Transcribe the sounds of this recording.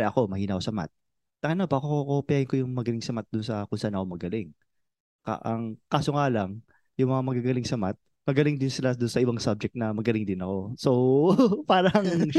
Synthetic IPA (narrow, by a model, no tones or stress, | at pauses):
ɛʔɐko̞mɐhiːnɐkosɐma̰t̪̚ | ɐŋɐnopɐkookopɪaːhɪnko̞jʊŋmɐɡɐlɪŋsɐmat̪̚d̪ʊnsɐkʊnsaʔanɐkomɐɡɐlɪŋ | ka̰ʔɐŋkaːsoŋalɐŋ | jʊŋmɐŋamɐɡaɡɐlɪŋsɐmat̪̚ | mɐɡɐlɪŋd̪ɪnsɪlad̪ʊnsɐʔɪbaŋsab̚d͡ʒɛk̚t̪nɐmɐɡɐlɪŋd̪ɪnɐko̞so̞paːɾɐŋ